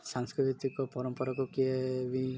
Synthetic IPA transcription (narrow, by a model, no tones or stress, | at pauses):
saŋskɾit̪it̪ikɔpɔɾɔmpɔɾɔkɔkieʋi